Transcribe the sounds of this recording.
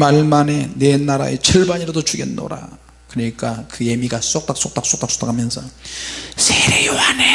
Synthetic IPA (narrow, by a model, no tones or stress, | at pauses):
maɭmane̞nenaɾa̰et͡ɕʰɯɭbaɲiɾadot͡ɕuɡḛnːo̰ɾa̰ | kɯɲik͈akɯje̞miɡas͈ok̚t͈ak̚s͈ok̚t͈aks͈ok̚t͈aks͈o̥t͈akʰamjʌnsʰʌ | sʰeɾejoane